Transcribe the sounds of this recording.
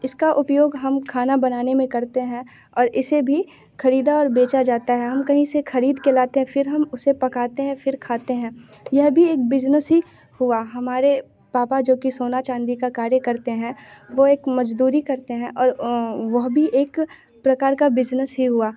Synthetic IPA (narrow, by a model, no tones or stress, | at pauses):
ɪskaʔʊpjoːɡɦɐmkʰaːnabɐnaːnemẽkɐɾt̪eɦɛ̃ | ɔːɾɪsebʱi | xʰɐɾiːd̪aɔːɾbeːt͡ʃad͡ʒaːt̪aɦɛɦɐmkɐɦĩsexʰɐɾiːd̪kelaːt̪eɦɛ̃fɪɾɦɐmʊsepɐkaːt̪eɦɛ̃fɪɾkʰaːt̪eɦɛ̃ːjɐɦbʱieːk̚bɪd͡ʒnəsɦi | hʊaɦɐmaːɾe | paːpad͡ʒoːkisoːnat͡ʃãːnd̪ikakaːɾjəkɐɾt̪eɦɛ̃ʋoeːkmɐd͡ʒd̪uːɾikɐɾt̪eɦɛ̃ʔɔːɾʋɐɦbʱiʔeːk | pɾɐkaːɾkabɪd͡ʒnəsɦiɦʊaː